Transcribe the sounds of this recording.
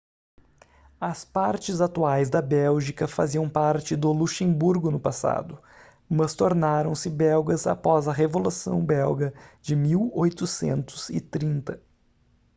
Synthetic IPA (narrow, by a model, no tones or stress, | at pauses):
ɐspaɾt͡ʃɪzat̪uajzd̪ɐbɛwʒikɐfa̰ziɐ̃w̃paɾt͡ʃɪd̪ʊluʃẽmbuɾɡʊnʊpasa̰d̪ʊ | mɐst̪oɾnaɾɐ̃w̃sɪbɛwɡɐza̰pɔzɐɦevolusɐ̰̃w̃bɛwɡɐd͡ʒɪmiwojt̪ʊsḛ̃nt̪ʊ̥z̥ɪt̪ɾĩnt̪ɐ